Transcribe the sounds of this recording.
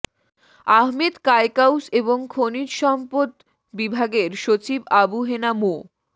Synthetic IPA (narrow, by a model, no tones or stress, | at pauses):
aɦmed̪kaekawseboŋkʰonid͡ʑʃɔmpot̪ | bibʱaɡeɾʃot͡ɕibabuɦenamo